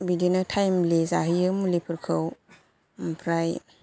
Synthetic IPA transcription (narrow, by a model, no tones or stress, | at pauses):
bidinɯtʰajmlezaɦɯjɯmulipʰɯɾkʰɯw | mpʰɾaj